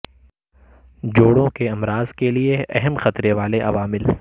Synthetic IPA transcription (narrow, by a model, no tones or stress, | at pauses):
d͡ʒoːɽõkeɐmɾaːzkelieɛɦɛmxɐt̪ɾeʋaːleʔɐʋaːmɪl